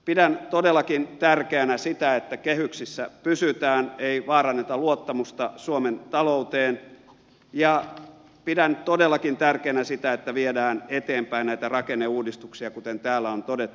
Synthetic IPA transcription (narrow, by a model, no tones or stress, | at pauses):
pidænt̪odelːˑɑkint̪ærkeænæsit̪æet̪ːækehyksisːæpysyt̪æːneiʋɑːrɑnːet̪ɑluot̪ːɑmust̪ɑsuoment̪ɑlout̪eːn | jɑ | pidænt̪odelːɑkint̪ærkeænæsit̪æet̪ːæʋiedæːnet̪eːmpæinnæit̪ærɑkenːeuːdist̪uksiɑkut̪ent̪æːlːæont̪odet̪ːu